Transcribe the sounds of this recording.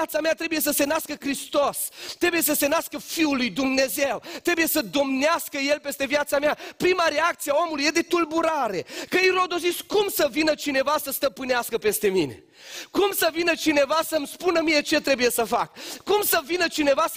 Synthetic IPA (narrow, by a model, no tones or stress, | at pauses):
at̪samat̪ɾe̞buje̞s̬əse̞naskəkɾist̪ost̪ːɾe̞buje̞səse̞naskəfiulujd̪umne̞ze̞wt̪ɾe̞buje̞səd̪o̞mneaskəje̞lpe̞st̪e̞vjat̪sameapɾimaɾe̞ak̚t̪sijeao̞mulujed̪e̞t̪ulbuɾaɾe̞kəiɾo̞d̪ozit̪sʲkumsəvinət͡ʃine̞vasəst̪əpɨneaskəpe̞st̪e̞mine̞̰ | kumsəvinət͡ʃine̞vasəmspunəmije̞t͡ʃe̞t̪ɾe̞buje̞səfakːumsəvinət͡ʃine̞va